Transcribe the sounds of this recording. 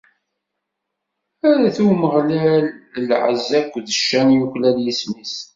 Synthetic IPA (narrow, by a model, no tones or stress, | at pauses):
æɾæθuməʁlæləlʕə̰zːækʷːðəʃːænjuçlæljismis